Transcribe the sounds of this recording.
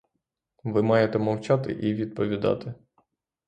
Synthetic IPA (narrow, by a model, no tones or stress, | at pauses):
ʋɪmɑjet̪ɛmɔwt͡ʃat̪ɪ̰ʔiʋʲid̪̚pɔʋʲid̪ɑ̰t̪ɪ